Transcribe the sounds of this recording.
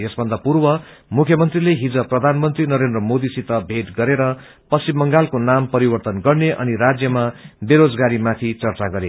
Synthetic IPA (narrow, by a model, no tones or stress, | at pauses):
jesbʱʌnd̪apurbʌ | mukʰjʌmʌnt̪rileɦid͡zʌprʌd̪ʱanmʌnt̪rinʌɾend̪rʌmod̪isit̪ʌbʱeʈɡʌɾeɾʌ | pʌst͡simːʌŋɡalkonampʌɾibʌrt̪ʌnɡʌrneʔʌ̰niɾad͡zjʌmabeɾod͡zɡaɾimat̪ʰit͡sʌrt͡saɡʌɾe